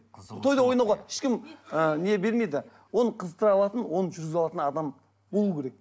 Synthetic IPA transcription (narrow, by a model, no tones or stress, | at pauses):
t̪ʰo̞jd̪ɑwo̞jnɑwʁɑɪ̥ʃkʲɪməne̞be̞ɾme̞d̪ɪ | wo̞nəqʰəzt̪əɾɑlˠɑt̪ənwo̞nəʒʏɾɡʲɪzɑlˠɑt̪ənɑd̪ɑm | bolˠukʲʰeɾe̞k̚